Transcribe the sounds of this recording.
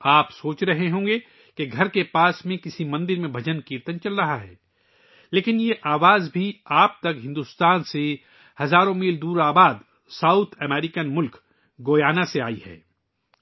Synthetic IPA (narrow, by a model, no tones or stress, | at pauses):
aːpsoːt͡ʃɾɐɦeɦõːŋɡe | keɡʱɐɾkepaːsmẽkɪsimɐ̃nd̪ɪɾmẽbʱɐd͡ʒənkiːɾt̪ənt͡ʃɐlɾɐɦaɦɛ̰ː | leːkɪnjeʔaːʋaːzbʱiaːp̚t̪ɐkɦɪ̃nd̪ʊst̪aːnse | hɐzaːɾõmiːld̪uːɾaːbaːd̪ | saːʊt̪ʰɛmɛːɾikənmʊlk | ɡoːjaːnaseaːḭhɛ̰ː